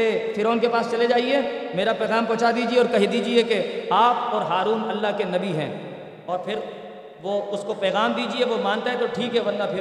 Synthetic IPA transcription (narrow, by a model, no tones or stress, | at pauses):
efʰɪɾoːnkepaːst͡ʃɐled͡ʒaːiɦɛ̃ːmeːɾapɛːɣaːmpɔ̃ːt͡ʃad̪iːd͡ʒieɔːɾkɐɦid̪iːd͡ʒiekeaːp̚ɔːɾɦaːɾuːnɐlːaɦkenɐbiɦɛ̰̃ː | ɔːɾpʰɪɾ | ʋoʊskopɛːɣaːmd̪iːd͡ʒieʋomãːnt̪aɦɛ̃t̪oʈʰiːkɦɛbɐ̃nd̪afʰɪɾ